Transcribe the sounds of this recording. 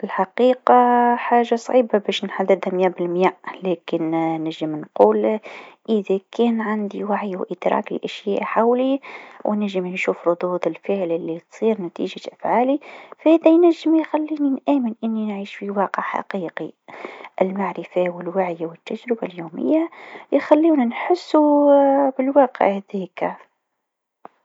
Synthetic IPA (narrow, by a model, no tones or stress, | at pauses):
ʔɪlħaqiːqɑħaːʒasˤʕiːbabɛːʃnħad̪ːɪd̪hamjæːbɪlmjæːʔlɛːkɪnnɪʒːəmnquːlʔɪðækɛːnʕand̪iwaʕjːwʔɪd̪ɾˤɑ̰ːklɪ̰ʔæʃjæːʔħawliwnɪʒːəmnʃuːfɾˤʊd̪uːd̪ˤɪlfəʕlɪlːit̪sˤiːɾnæt̪ḭːʒaʔafʕaːlifhæd̪æjnæʒːɪmjxælːiːninʔæːmənʔɪnːinʕiːʃfiwɑːqəʕħa̰qiːqiʔɪ̰lmaʕɾɪfawɪlwaʕjawɪt̪ːæʒɾɪba̰ljuːmɪ̰jːajxælːiːnænħʊsːubɪlwɑːqə̰ʕhðik